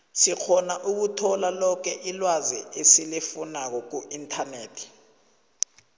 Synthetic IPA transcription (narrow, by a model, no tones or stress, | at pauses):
sik͡xʰɔnaʔuk̬utʰɔlalɔk̬ʰɛʔilwazɛesilifunak̬ɔk̬uʔintʰaneːtʰi̥